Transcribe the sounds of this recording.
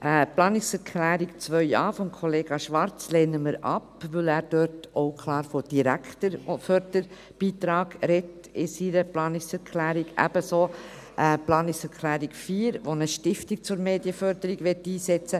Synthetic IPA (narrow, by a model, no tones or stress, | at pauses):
ʔəplɑːnɪksɛɾkʰlæːɾikt͡svœʏɑːfɔmkʰoleːɡɑʃʋɑɾt͡sleːnəməɾɑ̰pʋɵlæːɾd̥øtoʊkʰlɑːɾfod̥iɾæktəɾfœɾdəɾ | b̥iːt̪ɾɑːɡɾɛt | ɪsiɾəplɑːnɪksɛɾkʰlæːɾiɡæ̰b̥əso | ʔəplɑːnɪksɛɾkʰlæːɾikfiːɾʋonəʃtɪftik̚t͡sʊɾmeːdjəfœɾdəɾiɡʋɛtːiːsɛt͡sə